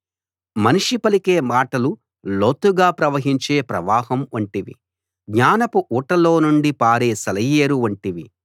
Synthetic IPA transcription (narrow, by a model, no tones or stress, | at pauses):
mɐniʂipɐlikeːmaːʈɐlu | loːt̪uɡaːpɾɐʋɐɦiɲt͡ʃe̞ːpɾɐʋaːɦɐmuɳʈiʋḭ | ɡɲaːnɐpuʔuːʈɐlo̞ːnuɳɖipaːɾeːsɐlɐjːeːɾuɐɳʈiʋi